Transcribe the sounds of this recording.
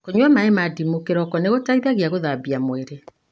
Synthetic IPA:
koɲwamaemadimokeɾɔkɔneɣotaiðaɣeaɣoðabiamweɾe

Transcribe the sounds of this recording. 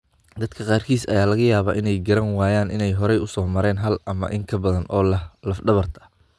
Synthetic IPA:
d̪ɐd̪kʰɐqɑːrkʰiːsɐ̰jaːlɐɣɐjaːβa̰ːʔɪnɛjɡɐɾɐnwaːjaːnɪnɛjɦɔɾɛjʊsɔːmɐɾɛːnɦɐlʔɐmɐ̰ʔɪŋkʰɐbɐðɐnʔɔːlɐhlɐfɖɐβɐrt̪ʰɐ̥

